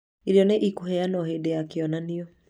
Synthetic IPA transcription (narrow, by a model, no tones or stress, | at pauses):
iɾjɔneʔikuɦɛanɔɦedeakeɔnaniɔ